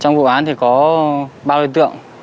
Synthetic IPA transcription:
t͡ɕɔ˧wŋ͡mvṵ˧˨ʔaː˨˦nt̪ʰi˨˩kɔ˨˦ɓaː˧wt̪ɨ̰˧˨əŋ

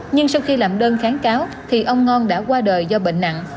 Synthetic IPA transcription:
ɲɨ˧ŋsa˧wxi˧laː˨˩mɗəː˧nxaː˨˦nkaː˨˦w | t̪ʰi˨˩ʔə˧wŋ͡mŋɔ˧nɗa̰ː˧˥kwaː˧ɗəː˨˩jzɔ˧ɓḛ˧˨ŋ̟na̰˧˨ŋ

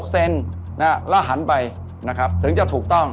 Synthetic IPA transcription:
k̚se˧n | na˦˥la˦˥˩ɦa˩˦npa˧j | na˦˥kʰɾa˦˥p̚t̪ʰɯ˩˦ŋt͡ɕa˨˩t̪ʰuː˨˩k̚t̪ɔ˥˩ŋ

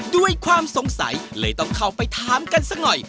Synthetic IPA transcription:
du˥˩əjkʰwaː˧mso˩˦ŋsa̰˩˦jlɤː˧˩jt̪ɔ˥˩ŋkʰa˥˩wpa˧jt̪ʰaː˨˦mka˧nsa˦˧˥k̚nɔ˨˩j

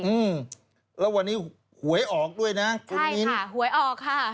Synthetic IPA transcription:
ʔɯː˧˩m | lɛː˦˥wa˧nːiː˦˥ | hu˩˦əjʔɔː˨˩k̚du˥˩əjna˦˥ku˧a˥˩i˦˥n˧˩hu˩˦əjʔɔː˨˩kʰːa˥˩

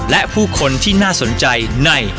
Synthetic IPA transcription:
lɛ˦˥ʔpʰuː˥˩kʰo˧nt̪ʰiː˥˩naː˥˩so˩˦nt͡ɕa˧jna˥˩j

